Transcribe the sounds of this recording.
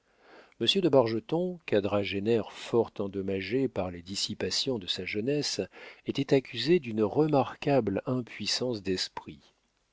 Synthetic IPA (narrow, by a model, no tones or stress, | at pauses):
məsjəd̪əbaʁʒət̪ɔ̃kad̪ʁaʒenɛʁfɔʁt̪ɑ̃d̪ɔmaʒepaʁled̪isipasjɔ̃d̪əsaʒənɛset̪ɛt̪akʲyzed̪ynʁəmaʁkablɛ̃pɥisɑ̃sd̪ɛspχi